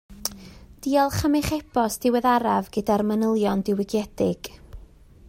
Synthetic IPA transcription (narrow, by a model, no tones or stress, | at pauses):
d̥iːɔlˠχəmɛχɛbɔsd̥ɪwɛðaɾavɡədarmənəlˠjɔndɪwɪɡjɛdɪɡ̥